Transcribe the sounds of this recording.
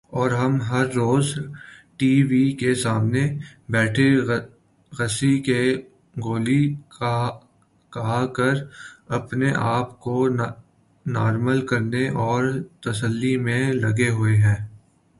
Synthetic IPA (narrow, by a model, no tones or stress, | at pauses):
ɔːɾɦɐmɦɐɾːoːzʈiːʋikesaːmnebɛːʈʰe | ɣɐsike | ɡoːli | kɐɦakɐɾɐpneʔaːpko | naːɾməlkɐɾneʔɔːɾt̪ɐsəlːimẽlɐɡeɦʊeɦɛ̃ː